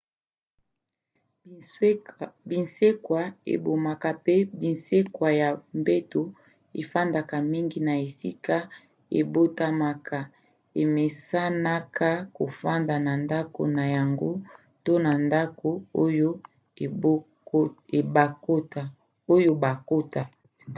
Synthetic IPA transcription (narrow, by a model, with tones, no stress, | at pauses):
bi˨nse˦kwa˨ḛ˨bo˨ma˨ka˨pe˦bi˨nse˦kwa˨ja˨mbe˦to˨ | e˨fa˦nda˨ka˨mi˦ŋɡi˦na˨e˨sḭ˦ka˦ | ḛ˨bo˦ta˦ma˨ka˨ | e˨me˨sa˦na˦ka˦ko˨fa˦nda˨na˨nda˦ko̰˨na˨ja˨ŋɡo˦ | to˦na˨nda˦ko˨o˦jo˦˨˦ | e˨ba˨ko˦ta˨ | o˦jo˦ba˨ko˦ta˨